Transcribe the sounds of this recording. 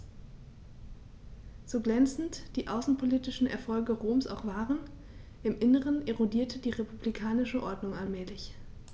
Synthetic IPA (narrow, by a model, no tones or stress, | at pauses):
z̥oːɡlɛnt͡sn̩td̥iːʔaʊsn̩pʰoliːtɪʃn̩ʔɛ̰ɐfɔlɡəʁoːmsa̰ʊxv̥aːʁən | ʔɪmʔɪnəʁ̞əneʁodiːɐtʰədiːʁepublikʰaːnɪʃəʔɔɐdnʊŋalmɛːlɪç